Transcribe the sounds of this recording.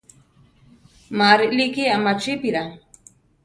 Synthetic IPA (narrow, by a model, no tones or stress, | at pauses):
maɾilikiamat͡ʃipiɾa